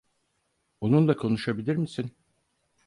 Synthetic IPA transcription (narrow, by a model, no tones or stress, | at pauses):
onunlˠakʰo̞nuʃabilʲiɾmisin